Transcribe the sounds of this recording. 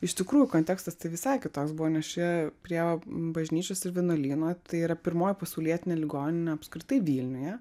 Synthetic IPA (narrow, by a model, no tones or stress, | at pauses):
ɪʃʲt̪ʲɪkɾuːjʊkoːnt̪ʲæːkst̪ɐst̪ɐɪʋʲɪsɑɪkʲɪt̪oːksbuʋɔːnʲɛsʃʲɛpʲɾʲiɛbɐʒʲnʲiːt͡ʃʲoːsɪɾʋʲɪɛnoːlʲiːnoːt̪ɐɪiːɾɐpʲɪɾmoːjɪpɐsɐʊlʲiɛt̪ʲɪnʲeːlʲɪɡoːnʲɪnʲɛɐpskɾʲɪt̪ɐɪʋʲiːlʲnʲʊjɛ